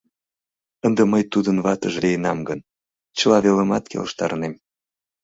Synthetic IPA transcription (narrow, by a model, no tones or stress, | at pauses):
ənd̪eməjt̪ud̪ənβɑt̪əʒliənɑmɡən | t͡ɕəlɑβeləmɑt̪kʰḛlʃt̪ɑ̰ɾnem